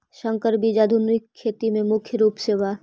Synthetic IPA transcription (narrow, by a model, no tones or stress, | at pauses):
ʃə̃ŋkəɾbid͡ʒaːd̪ʱʊnɪkʰːeːt̪imẽmʊkʰjəɾuːpseːʋa